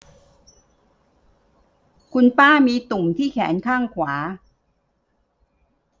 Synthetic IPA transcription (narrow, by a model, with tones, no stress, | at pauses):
kʰu˧npaː˥˩miː˧t̪u˨˩mt̪ʰiː˥˩kʰɛ̰ː˩˦nkʰaː˥˩ŋkʰwaː˩˦